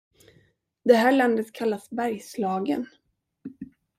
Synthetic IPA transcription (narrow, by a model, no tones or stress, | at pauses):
d̪ɛɦæːɭand̪ət̪kʰalːasbæɾjslɑːɡən